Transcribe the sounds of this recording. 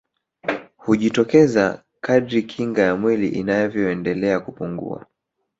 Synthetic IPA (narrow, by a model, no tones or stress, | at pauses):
huʄitɔkɛza | kaɗɾikʰiŋɡajamwilḭʔinajɔvjɔɛndɛlɛakupuŋɡṵa̰